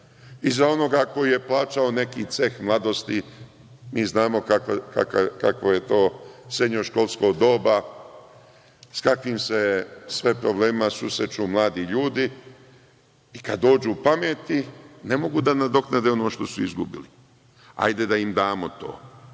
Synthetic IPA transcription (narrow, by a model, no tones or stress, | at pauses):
izao̞no̞ɡako̞jije̞plˠaːt͡ʃaone̞kit̪se̞xmlˠad̪o̞st̪i | miːznaːmokakka̰kakakʋojet̪o̞ːsɾedɲoʃko̞lˠsko̞ɡd̪o̞ːba | skakʋiːmsesʋepɾobleːimasuset͡ʃuːmlˠaːd̪iʎuːd̪i | kad̪o̞ːd͡ʒuːpameːt̪ine̞mo̞ɡud̪anad̪o̞knad̪eo̞no̞ːʃt̪o̞suizɡṵbili | a̰jd̪e̞d̪aimd̪aːmot̪o̞̰ː